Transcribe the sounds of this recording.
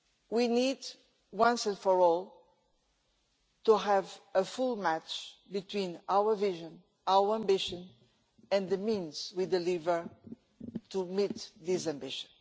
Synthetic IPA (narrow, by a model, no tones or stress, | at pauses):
winid | wʌ̃nsɛ̃nfɔ˞ɔlˠ | tuɦævəfulˠmæt͡ʃbɨtwĩnawə˞viʒə̃n | awə˞æ̃mbɪʃɨ̃n | ɛ̃nðəmĩnzwidɨlivə˞ | tumit̪ðizæ̃mbɪʃə̃n